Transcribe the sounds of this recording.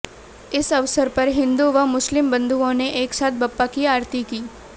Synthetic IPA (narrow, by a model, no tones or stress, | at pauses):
ɪsɐʋsəɾpɐɾɦɪ̃nd̪uʋamʊslɪmbɐ̃nd̪ʱuõneʔeːksaːt̪̚ʰbɐpːakiaːɾt̪ikiː